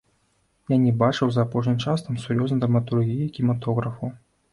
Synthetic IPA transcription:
janʲɛbat͡ʂɨwzɐːpɔʂ̬nʲimt͡ʂast̪ɐmsuɾjɔznɐjd̪ɾɐmɐt̪urɣʲijɐkʲimat̪ɔɣɾɐfu

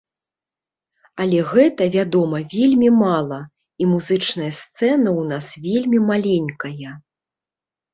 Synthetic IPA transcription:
ɐlʲɛɣɛt̪ɐvʲad̪ɔmɐvʲelʲmʲimalˠɐ | imuzɨt͡ʂn̪ɐjɐst̪sɛnɐwnasvʲelʲmʲimalʲenʲkɐjɐ

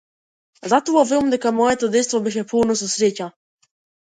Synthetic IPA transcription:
zat̪oavemd̪ɛkamɔjɛt̪ɔd̪ɛt̪st̪vɔbɛʃ̬ɛpulˠnɔs̬ɔsɾeca

